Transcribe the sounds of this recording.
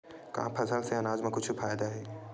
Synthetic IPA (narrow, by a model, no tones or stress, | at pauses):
ka̰ãpʰɐsəlseɐnaːzmẽkʊt͡ʃʰfaːjd̪aɦɛː